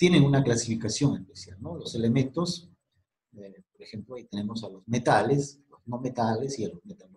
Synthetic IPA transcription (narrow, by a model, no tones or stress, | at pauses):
t̪je̞neŋunaklasifikasjo̞ŋespesjalnolose̞le̞mẽ̞nt̪o̞s | poɾexe̞mploait̪e̞ne̞mo̞salozme̞t̪aleslozno̞me̞t̪ale̞sialozmet̪alo